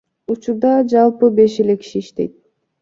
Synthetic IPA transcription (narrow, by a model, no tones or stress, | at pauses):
ut͡ʃuɾd̪ɑd͡ʒɑlˠpɯbe̞ʃele̞ki̥ʃiːʃt̪e̞̰jt̪̚